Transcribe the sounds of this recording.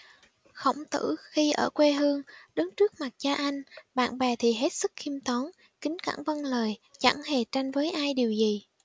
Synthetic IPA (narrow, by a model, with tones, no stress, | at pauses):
xə̰˧˩wŋ͡mt̪ɨ̰˧˩xi˧ʔəː˧˩kwe˧ɦɨ˧əŋɗɨ˨˦ŋt͡ɕɨ˦˥ək̚ma˨˩t̚t͡ɕaː˧ʔa˧jŋ̟ɓa̰ː˧˨nɓɛ˨˩t̪ʰi˨˩ɦe˦˥t̚sɨ˦˥k̚xi˧mt̪ɔ˨˦n | kï˨˦ŋ̟ka̰˧˩ŋvə˧nləː˨˩jt͡ɕa̰˧˩ŋhe˧˩t͡ɕa˧jŋ̟vəː˨˦jʔaː˧jɗi˨˩əwzi˨˩